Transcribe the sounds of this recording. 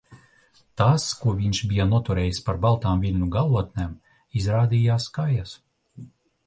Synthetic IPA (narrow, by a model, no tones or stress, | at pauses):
t̪askuɔvʲiɲʃbʲijanuɔt̪uɾɛːjispaɾbalˠt̪aːmvʲilʲnuɡalˠuɔt̪̚nʲem | izɾaːd̪ʲijaːskajas